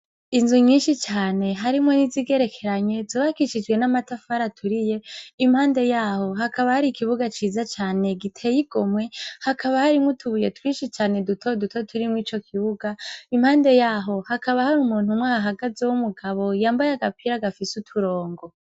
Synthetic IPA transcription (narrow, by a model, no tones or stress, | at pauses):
inzuɲiːnʃit͡ʃaːne̞ɦaɾimŋo̞niziɡe̞ɾe̞kʰe̞ɾaɲe̞zoːβakiʃid͡ʒɡwe̞namatafaɾatʰuɾije̞imhaːnde̞jaːho̞ɦakaβahaɾikiβuɡat͡ʃiːzat͡ʃaːne̞ɡitʰe̞ːjiɡ̥o̞mwe̞hakʰaβahaɾimŋotʰuβuje̞twiːʃit͡ʃaːne̞dutʰodutʰotʰuɾimŋiːt͡ʃo̞kʰiβuɡaimhaːnde̞jaːɦo̞hakaβahaɾumuːnhumwaɦaɡazewumuɡaβo̞jaːmbajaɡapʰiɾaɡafisutʰuɾo̞ːŋɡo̞